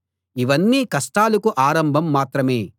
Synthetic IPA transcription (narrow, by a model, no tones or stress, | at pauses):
iʋɐnːiːkɐsʈaːlɐkuʔaːɾɐmbʱɐmːaːt̪ɾɐmeː